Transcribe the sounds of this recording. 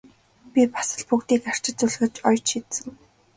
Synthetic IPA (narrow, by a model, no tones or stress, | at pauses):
pʲipḁsə̆ɮpukt̪iːkar̥t͡ɕɪ̆t͡suɮɣɘ̆t͡ɕɔjt͡ɕʃit̪sɘ̆ŋ